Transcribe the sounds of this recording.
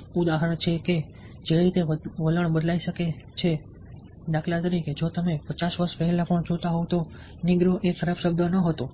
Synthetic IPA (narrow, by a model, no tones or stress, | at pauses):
ud̪aɦəɾəɳ̃t͡ʃʰeke | d͡ʒeɾit̪eʋələɳbəd̪laiʃəket͡ʃʰe | d̪akʰlat̪əɾiked͡ʒot̪əmepət͡ʃasʋəɾʃpɛɦɛlapəɳd͡ʒot̪aɦot̪o | niɡɾoʔekʰəɾabʃəb̚d̪ənəɦət̪õ